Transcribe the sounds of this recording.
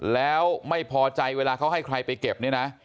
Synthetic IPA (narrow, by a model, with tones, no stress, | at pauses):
lɛː˦˥˦wma˥˩jpʰɔː˧t͡ɕa˧jweː˧laː˧kʰa˦˥wɦa˥˩jkʰɾa˧jpa˧jke˨˩p̚ni˥˩ɐna˦˥ʔ